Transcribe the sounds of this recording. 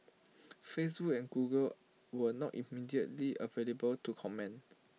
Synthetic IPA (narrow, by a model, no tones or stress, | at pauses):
fes̬bukɛ̃nɡuɡəl | wənɔtḭmidiətliʔəvelebəltukʰɔmɛ̃nt